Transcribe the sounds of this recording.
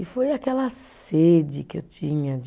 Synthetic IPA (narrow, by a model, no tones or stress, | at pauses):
ɪfojakɛlɐsed͡ʒɪkḛwt͡ʃĩɲɐd͡ʒ